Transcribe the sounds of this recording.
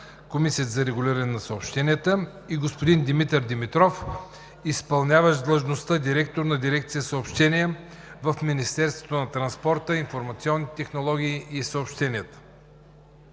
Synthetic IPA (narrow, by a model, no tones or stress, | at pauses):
komisiət̪əzɐɾɛɡʊlʲiɾənɛnɐsəopʃt̪ɛnʲiət̪ə | iɡospod̪ind̪imit̪ɛɾd̪imit̪ɾɔf | ispɐlˠnʲavəʃd̪lˠəʒnost̪əd̪iɾɛkt̪oɾnɐd̪iɾɛk̚t̪sijəsəopʃt̪ɛniɛ | vəfminist̪ɛɾst̪vo̥t̪onɐt̪ɾɐnspɔɾt̪əinfoɾmɐt̪siɔnːit̪ɛxnolˠɔɡ̟ʲiːʔisəopʃt̪ɛniət̪ə̥